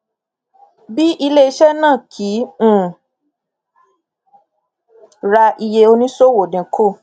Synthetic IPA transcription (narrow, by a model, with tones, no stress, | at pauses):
bi˦ʔi˧le˦i˧˦ʃɛ˦nãː˦˨kʰĩ˨˦˨ | ɾa˧i˧je˧o˧nĩ˦so˦˨wo˨ndĩ˨kʰo˦˨